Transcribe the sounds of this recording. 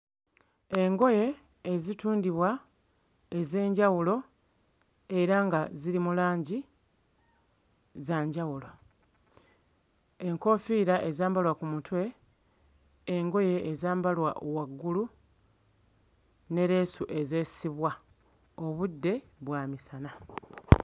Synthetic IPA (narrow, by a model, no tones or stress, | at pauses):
e̞ŋɡo̞je̞ː | zituːndiβwa | e̞ze̞ːɲɟawulo̞ | e̞ɾaŋɡaziɾimulaːɲɟi | zaːɲɟawulo̞ | e̞ŋko̞fiːɾaʔe̞zaːmbalwakumutwe̞ | ŋɡo̞jeːzaːmbalwa̰ʔowaɡːulu | ne̞ɾe̞ːsuʔe̞ze̞ːsiβwa | o̞βudːe̞ | βwaːmisana